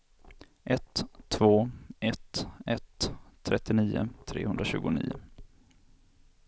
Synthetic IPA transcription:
ʔɛt̪ʰːvoːɛt̪ɛt̪ʰːɾɛt̪ːɪniːʊ̰t̪ʰɾḛːhɵnd̪ɾaɕʉ̟ːɡʊnḭːʊ

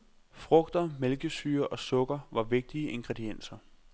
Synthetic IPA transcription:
fʁɔ̽ɡ̥d̥ɐmelɡ̥əsyːɐʔɒ̽sɔ̽ɡ̥ɐʋɑ̈ʋe̝ɡ̥̚d̥iəʔe̝ŋɡ̥ʁed̥ien̰sɐ

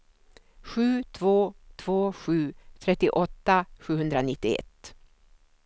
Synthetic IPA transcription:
ɧʉ̟ːt̪ʰvoːt̪ʰv̥oːɧʉ̟ːt̪ʰɾɛt̪ːɪʔɔt̪ːaɧʉ̟ːhɵnd̪ɾanɪt̪ːɪɛ̰t̪ː

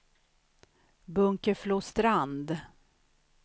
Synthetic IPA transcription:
bɵŋkəfloːst̪ɾand̪

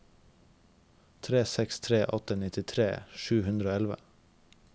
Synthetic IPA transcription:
t̪ʰɾeːsɛkst̪ʰɾeːʔɔt̪ənɪt̪ɪt̪ʰɾeːʃʉːhʉnd̪ɾəoːɛlʋə̰

